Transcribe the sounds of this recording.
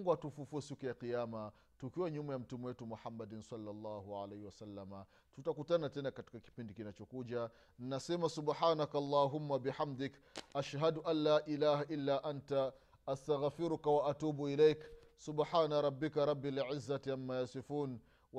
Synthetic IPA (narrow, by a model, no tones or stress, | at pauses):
ŋɡuatufufuɛsikujaqijaːma | tukiwaɲumajam̩tumuwɛtumuħamːadnsɑlːalːɑːhuʕa̰lejhiwasalːama | tutakutanatɛnakati̥kaki̥pindikinat͡ʃɔkud͡ʒa | ninasɛmasubħaːnakalˤːɑːɦʊmːabiħamd̪ɪk | ʔaʃɦaduʔalːaːʔilaːhaʔɪlːaʔanta | ʔːstaɣfiɾukawaʔat̪uːbuilejk | subħaːnaɾˤɑbːikaɾˤɑbːilʕɪzːatʔamːajasifuːn | w